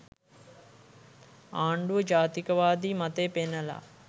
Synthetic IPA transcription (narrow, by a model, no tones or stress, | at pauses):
aːɳɖuʋəd͡ʒaːt̪ikɐʋaːd̪iːmɐt̪eːpenːəla̰ː